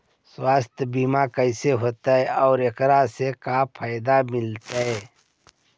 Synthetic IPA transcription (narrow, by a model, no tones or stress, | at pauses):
swaːst̪ʰbiːmakəɪseɦoːt̪aɦɛɔːɾekɾasekapʰaːjd̪amɪlt̪aɦeː